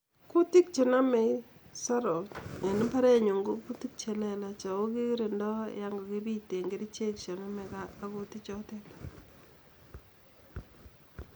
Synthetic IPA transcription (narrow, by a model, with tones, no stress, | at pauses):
ku˦ti˦k̚t͡ʃe˨na˦me˨ | sa˦ɾo˨te˨ni˦pa˦ɾɛ˦ɲu˨ŋɡo˦ku˦ti˦k̚t͡ʃɛ˨lɛ˦la˨t͡ʃa˨o˦ki˦ɾe˨ndɔ˦ja˦ŋɡɔ˨ki˦bi˦te˨ŋɡe˦ɾi˦t͡ʃe˦kt͡ʃe˨na˦mɛ˨kaː˦ko˦ti˦t͡ʃɔ˦tɛ˦p